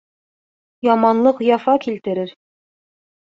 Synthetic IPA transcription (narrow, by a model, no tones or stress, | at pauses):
jɑmɑnlˠɤqjɑfɑkilt̪ɘ̆ɾɘɾ